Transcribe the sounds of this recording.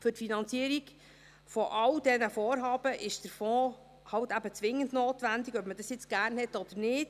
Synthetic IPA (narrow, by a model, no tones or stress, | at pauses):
fɵɾtfinɑnt͡siəɾiɡ | fɔʔɑwd̥ɛnəfoːɾɦɑːb̥əʔɪʃd̥əɾfɔ̃ː | hɑwtæbət͡sʋɪŋəntnoːtʋændiɡœpməd̥ɑsjɪt͡sɡ̥æːrnhɛtːɔd̥̪əɾnɪːd̥